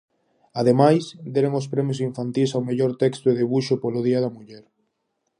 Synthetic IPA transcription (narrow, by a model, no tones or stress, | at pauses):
aðemajsd̪eɾeŋospɾɛmjosiɱfant̪ilsawmeʎoɾt̪ɛkst̪oɪðeβuʃopoloðiɐð̞ɐmuʎɛɾ